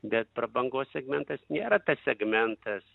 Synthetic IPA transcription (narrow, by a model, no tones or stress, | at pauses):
bʲɛt̪̚pɾɐbɐŋɡoːssʲɛɡmʲɛnt̪ɐsnʲeːɾɐt̪ɐssʲɛɡmʲɛnt̪ɐs